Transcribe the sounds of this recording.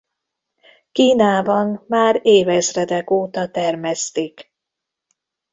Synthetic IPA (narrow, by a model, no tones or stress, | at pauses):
kiːnaːbɒnmaːɾeːvɛzrɛd̪ɛkoːt̪ɒt̪ɛrmɛst̪ik